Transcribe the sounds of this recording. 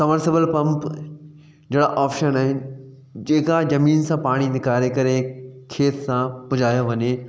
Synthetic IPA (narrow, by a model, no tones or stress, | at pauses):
sɐməɾsɪbəlpɐ̃mp | d͡ʑeːɽaʔaːpʃənaːɦɪnɪ̆ | d͡ʑeːkad͡ʑɐmiːnsãpaːɽ̃inɪkaːɾekɐɾekʰeːt̪ʰsãpʊd͡ʑʱaːjoʋɐɲe